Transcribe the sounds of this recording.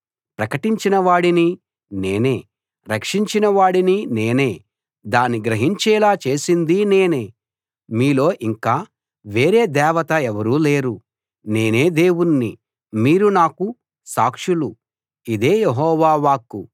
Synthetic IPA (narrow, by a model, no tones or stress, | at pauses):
pɾɐkɐʈiɲt͡ʃinɐʋaːɽini | ne̞ːne̞ː | ɾɐkʂiɲt͡ʃinɐʋaːɽinine̞ːne̞ː | d̪aːniɡɾɐɦiɲt͡ʃɛːlaːt͡ʃe̞ːsind̪ine̞ːne̞ː | miːlo̞ːʔiŋkaː | ʋe̞ːɾe̞ːd̪ɛːʋɐt̪ɐɛʋɐɾuːle̞ːɾu | ne̞ːne̞ːd̪e̞ːwunːi | miːɾunaːku | saːkʂulu | id̪e̞ːjeɦɔːʋaːʋaːku